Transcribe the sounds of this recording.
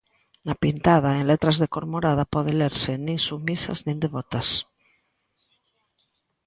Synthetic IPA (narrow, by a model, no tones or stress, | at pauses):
napint̪aðaenlet̪ɾazðekoɾmoɾaðapoðeleɾsenĩnsumisa̰znĩnd̪eβot̪as